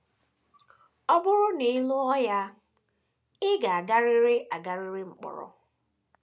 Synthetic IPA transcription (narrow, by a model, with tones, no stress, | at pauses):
ɔ˦bʊ˦ɾʊ˦nɪ˨ɪ˦lʊ˦ɔ˦ja˦ | ɪ˦ɡa˨a˨ɡa˦ɾɪ˦ɾɪ˦ʔa˨ɡa˦ɾɪ˦ɾɪ˦ŋ͡m̩˨k͡pʊ̰˨ɾɔ̰˨